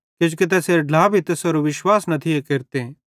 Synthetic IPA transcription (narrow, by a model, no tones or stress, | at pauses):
ked͡ʒkɪt̪̬ɛseɾɖlaːbʱit̪ɛsɐɾuʋɪʃwaːsnɐt̪ʰiekeɾt̪e